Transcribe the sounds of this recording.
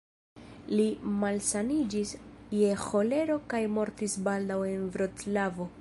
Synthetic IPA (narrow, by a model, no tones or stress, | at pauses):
limalsanid͡ʒisje̞xo̞le̞ɾo̞kajmo̞ɾtisbald̪awe̞nvɾo̞tlavo̞